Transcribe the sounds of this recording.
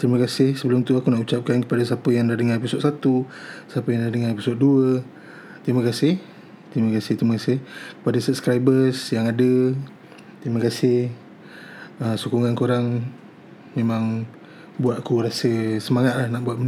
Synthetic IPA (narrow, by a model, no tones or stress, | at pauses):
t̪ɾiməkasɪhsəbəlʊmt̪uakunaʔut͡ʃap̚kankə̥padasapəjaŋdadəŋarpisɔʔ̪sat̪usapəjaŋdadəŋarpisɔtʔ̪̚duə | t̪ɾiməkasɪh | t̪ɾiməkasɪht̪ɾiməkasɪhkə̥padasəp̚skɾajbəsjaŋadə | t̪ɾiməkasɪh | əsukuŋankoɾaŋ | memãŋ | buat̪̚kuɾasəsəmaŋat̪̚lahnaʔbuaʔ̪